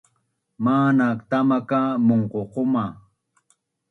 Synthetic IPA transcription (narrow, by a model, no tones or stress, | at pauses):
maːnakt̪amakamoɴqoqoma